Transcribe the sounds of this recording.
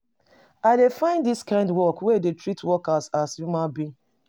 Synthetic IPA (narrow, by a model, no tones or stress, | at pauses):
aɪdefãɪ̃nddiskãɪ̃ndwɔkwɛdetɹitwɔkasasjumabĩ